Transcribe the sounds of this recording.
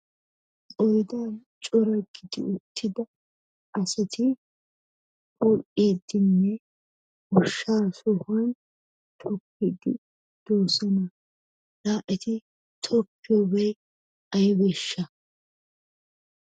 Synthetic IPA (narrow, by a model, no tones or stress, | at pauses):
ʔʼɔjd̪aːnt͡ʃʼɔɾɐɡɪd̪ɪ̰ʊt̪ʰːɪd̪ɐ | ʔɐsɐt̪ʰɪ | bʊʔeːd̪ɪnːɛ | ʊʃːaːsɔhɐn | t̪ʰɔpːɪd̪ɪ | d̪̥oːsɔnɐ | laːʔɛt̪ɪ | t̪ʰɔpːɪjobɛj | ɐjɪbɛʃːɐ